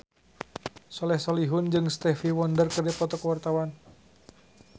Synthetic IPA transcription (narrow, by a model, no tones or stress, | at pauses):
sɔlɛhsɔliɦʊnd͡ʒɨŋst̪ɛfiwɔndərkərdɛpɔt̪ɔkəwart̪awan